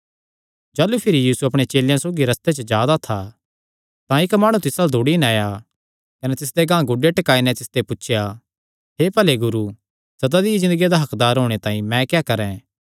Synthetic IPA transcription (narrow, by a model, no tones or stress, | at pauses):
d͡ʒaːlupʰɪɾijiːsuɐpɽ̃et͡ʃeːljãsoːɡiɾɐst̪et͡ʃəd͡ʒjaːd̪at̪ʰa | t̪ãɪkmaːɽ̃ũt̪ɪsaːld̪ʱuɽinaːja | kɐnɛt̪ɪs̬d̪eɡãːɡʊɖeʈɐkaːinɛ̃t̪ɪsd̪epʊtːʃʰja | ɦepɐleɡʊɾu | sɐd̪ad̪iizɪ̃nd̪əɡijad̪aɦɐkd̪aːɾɦoːɽ̃et̪ãːĩmɛ̃kɛkɐɾɛ̃